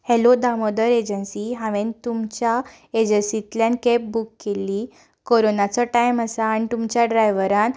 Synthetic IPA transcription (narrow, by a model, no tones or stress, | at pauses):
helod̪amod̪əɾed͡ʑənsiɦãʋẽnt̪umt͡ɕja | ed͡ʑənsit̪ljankep̚bukːeli | koɾonat͡sɔʈajməsaːñit̪umt͡ɕjaɖɾajʋəɾãn